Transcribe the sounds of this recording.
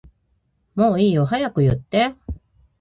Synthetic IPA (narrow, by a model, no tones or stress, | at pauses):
moːiːo̞ɦajakɯ̟jɯ̟t̪ːe̞